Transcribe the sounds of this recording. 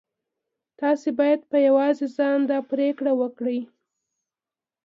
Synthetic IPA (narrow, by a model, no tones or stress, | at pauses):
t̪ɑsebɑjad̪̚pəjawɑzezɑnd̪ɑpɾekɽawəkɽəj